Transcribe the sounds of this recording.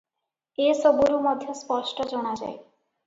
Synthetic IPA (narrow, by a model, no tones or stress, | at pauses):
esɔbuɾumɔd̪ʱjɔspɔʃʈɔd͡ʒɔɽ̃ad͡ʒa̰e